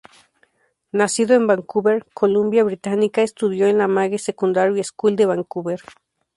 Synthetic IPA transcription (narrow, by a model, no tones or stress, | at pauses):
nasiðoembaŋkuβeɾkʰolumbjaβɾit̪anikaest̪uðjoenlamaɣesekund̪aɾjoeskuld̪eβaŋkuβeɾ